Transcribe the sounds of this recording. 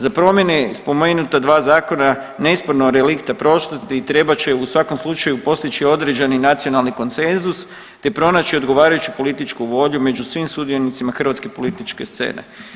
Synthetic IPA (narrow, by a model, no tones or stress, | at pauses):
zapɾo̞mje̞nespo̞meːnut̪ad̪ʋaːzaːko̞na | ne̞ispoɾnoɾelikt̪apɾo̞ʃt̪at̪it̪ɾe̞bat͡ɕe̞usʋako̞mslˠut͡ʃajupo̞st̪it͡ʃio̞d̪ɾe̞d͡ʒeninat̪sio̞nalˠniko̞nt̪se̞nzus | t̪e̞pɾo̞naːt͡ɕio̞d̪ɡo̞ʋaːɾajut͡ʃi̥po̞lit̪it͡ʃkuʋo̞ʎume̞d͡ʒusʋimsud̪io̞nit̪simaxr̩ʋat̪ske̞po̞lit̪it͡ʃke̞st̪sḛːnḛ